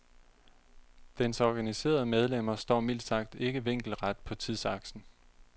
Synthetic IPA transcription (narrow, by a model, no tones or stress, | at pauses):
d̥ensɒɡ̥ænise̝̰ːɐð̞̩ˠəmeð̞ˠlem̰ɐsd̥ɒ̰ːmil̰d̥sɑ̈ɡ̥̚d̥e̝ɡ̥əʋe̝ŋ̰ɡ̥l̩ʁad̥̚pʰɒ̽t͡sʰið̞ˠsɑ̈ɡ̥sn̩